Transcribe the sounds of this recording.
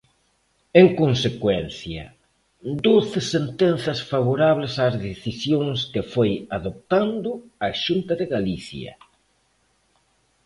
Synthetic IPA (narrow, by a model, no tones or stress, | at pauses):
eŋkonsekwɛn̟θjɐ̰ | d̪oθɪsent̪enθɐsfaβoɾaβlɪsazðeθisjoŋskɪfojaðop̚t̪and̪ʊaʃunt̪ɐðɪɣaliθjɐ̰